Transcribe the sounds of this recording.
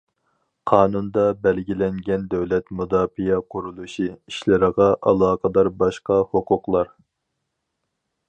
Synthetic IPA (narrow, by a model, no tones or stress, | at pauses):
qʰɑːnund̪ɑbɛlɡʲilɛŋɡʲɛnd̪ɛwlɛt̪mud̪ɑːfijɛqʰʊɾulˠuʃiiʃlɪɾəʁɑʔɑlˠɑːqəd̪ɑɾbɑʃqɑhoqʰʊqlˠɑɾ